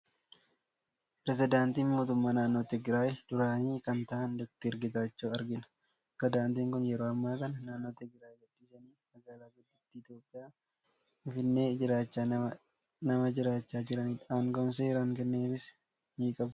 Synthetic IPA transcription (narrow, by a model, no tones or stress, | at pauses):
pɾɛs̬ɪd̪aːnt̪iːnmoːt̪ʊmːaːnaːnːo̞ːt̪ɪɡɾaːjd̪̥ʊɾaːniːkɐnt̪ɐʔɐnd̪ʊk̚t̪ɪɾɡɪt̪aːt͡ʃːoːɐɾɡɪnɐ̥ | pɾd̪aːnt̪iːŋkʊnjɛɾoːɐmːaːkɐnɐnaːnːo̞ːt̪ɪɡɾaːjɡʊdːiːsɐniːmɐɡaːlaːɡʊd̪ːʊt̪ːiɪt̪jo̞ːpʼːɪjaː | ɪnfɪnːe̞ːd͡ʒɪɾaːt͡ʃːaː | nɐmɐd͡ʒɪɾaːt͡ʃːaːd͡ʒɪɾɐniːᶑaːŋkɔnseːɾaːŋkɛnːeːfɪs | miːkʼɐbʊ